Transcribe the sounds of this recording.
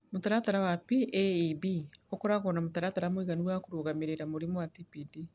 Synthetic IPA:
motaɾataɾawapiʔeibiokɔɾaɣɔnamotaɾataɾamoiɣaniwakoɾoɣameɾeɾamoɾemoatipidi

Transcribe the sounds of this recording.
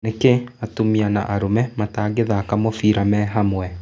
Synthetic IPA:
nekeatumiana̰ʔaɾomɛmataːɡeðaːkamofiːɾamɛɦamwɛ

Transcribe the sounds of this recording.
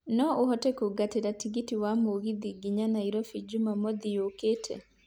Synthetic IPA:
nɔohɔtɛkoɡateɾatikitiwamoɣiðiɡiɲanaiɾɔfid͡ʒumamod̪ijoketʰɛ̰

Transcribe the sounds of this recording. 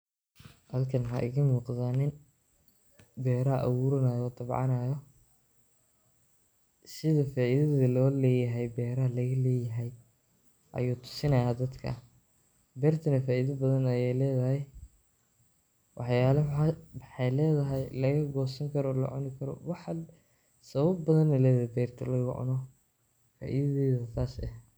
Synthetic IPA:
hɐlkʰɐnɦa̰ʔɪ̰ɣɐmuːqðaːnɪn | bɛːɾɐʔɐ̰wuɾɐnajɔːd̪ɐbʕɑ̰naːjɔ | sɪðɐfaːʔɪðɐðɐlɔːlɛːjɐɦɛjbɛːɾɐɦɐlɐɣɐlɛːjɐɦɛj | ʔɐ̰juːt̪ʰʊ̥sɪnɐjaːd̪ɐd̪kʰɐ̰ | bɛːrt̪ʰɐnɐfaːʔiðɐbɐðɐnɐjɛjlɛːðɐɦɛj | wʔɑħjaːlɐmɑmɑħɑjlɛːðɐɦɛjlɐɣɐɡɔːsɐŋkʰɐɾɔːlɐ̰ʕʊ̰nɪkʰɐɾɔ̰wɑħɑ | sɐβɐbːɐðɐnɐlɛːðhɛbɛːrt̪ʰɐlɐɣʊ̰ʕʊ̰nɔ | fa̰ːʔḭðɐðɛːðɐsaːsɛh

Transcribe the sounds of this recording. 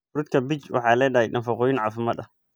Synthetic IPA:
ɾut̪kʰɐbɪt͡ʃwʔɑ̰ħɑːlɛjɗɐɦɛjɗɐnfɑqɔːjɪnʕɑːfɪmɐd̪ɐ

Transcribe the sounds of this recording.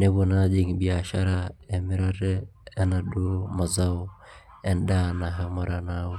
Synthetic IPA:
nebonad͡ʒiŋbiaʃaɾaɛmiɾaɾɛɛnaɗumazaw | ɛndanaɦamaɾana

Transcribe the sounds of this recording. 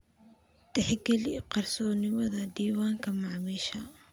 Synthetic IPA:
t̪ɛħɪɡɛliqɑrsɔːnɪmɐðɐd̪iːwaːŋkʰɐmɑʕmiʃɐ

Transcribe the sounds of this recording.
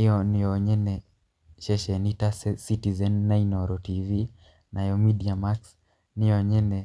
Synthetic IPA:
jɔnijɔɲɛnɛ | ʃɛʃɛnitassitizɛnːainɔɾɔtivi | nʔajɔmidiamaks | nijɔɲɛnɛ

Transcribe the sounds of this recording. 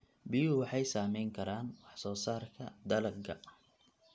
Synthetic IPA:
bɪjʊwɑħɑjsaːmɛjŋkʰɐɾaːnwɑħsɔːsaːrkʰɐd̪ɐlɐɡɐ

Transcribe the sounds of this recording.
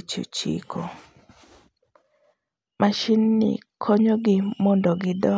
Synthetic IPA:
t͡ʃṵt͡ʃḭkʰo | mʔaʃinːɪ̰kʰoɲoɡɪmɔndɔɡɪdɔ

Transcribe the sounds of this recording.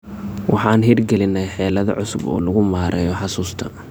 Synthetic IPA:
wʔɑħɑːnɦirɡɛlɪnːɛjħɛːlɐðɐ̰ʕʊsʊbɔ̰ːlɐɣʊmaːɾʔɛːjɔħɑsuːst̪ʰɐ

